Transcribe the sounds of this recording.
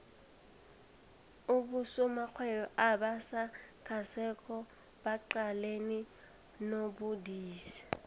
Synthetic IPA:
ʊbʊsʊmak͡xʰwɛjɔʔabasakʰasɛkʰʼɔ | b̥aǃaleni | nobʊdiːsi̥

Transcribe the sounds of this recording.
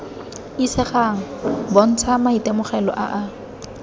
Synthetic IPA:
isɪχaŋ̩bɔn̩t͡sʰamaitʼɛmʊχɛlɔ̰ʔaʔa

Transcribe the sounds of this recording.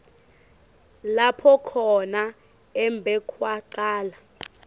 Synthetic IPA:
lapʰɔkʰɔna | ɛmbʱɛkʰwaǃaːla

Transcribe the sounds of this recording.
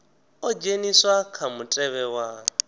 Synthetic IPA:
ɔd͡ʒeniswakʰamutʼɛβɛwa

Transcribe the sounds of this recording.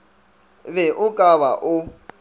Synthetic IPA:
βɛʔʊkʼaβa̰ʔʊ

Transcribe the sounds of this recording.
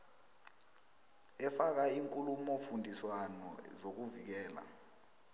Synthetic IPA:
ɛfak̬aiːŋkʼulumɔfundʱiswanɔzok̬uvik̬ɛːla̰

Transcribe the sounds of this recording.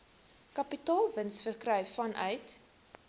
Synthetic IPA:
kɐpitɑːlˠvənsfərkrœɥfɐnʔœ̰ɥt

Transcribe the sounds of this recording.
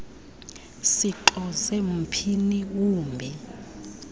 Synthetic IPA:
siǃɔzem̩pʰiniuːmbʱɛ

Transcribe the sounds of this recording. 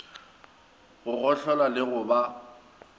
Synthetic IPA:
ɣʊɣɔɬɔlalɪɣʊba

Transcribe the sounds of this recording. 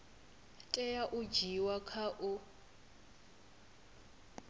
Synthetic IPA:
tʼɛjaʔʊd͡ʒiwakʰaʔʊ

